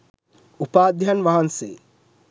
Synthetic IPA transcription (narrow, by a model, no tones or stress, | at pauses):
upaːd̪ʱjanʋaɦansḛ